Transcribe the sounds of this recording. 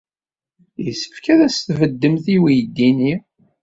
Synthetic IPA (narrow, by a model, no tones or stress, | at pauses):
jəsə̥fkæðæsθvəd̪ːəmθiwijd̪ːini